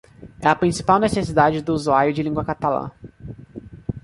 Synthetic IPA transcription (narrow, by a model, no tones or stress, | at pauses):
ɛɐpɾĩsi̥pawnesesid̪ad͡ʒɪd̪ʊːzuaɾjʊd͡ʒɪlĩŋɡwɐkat̪alɐ̰̃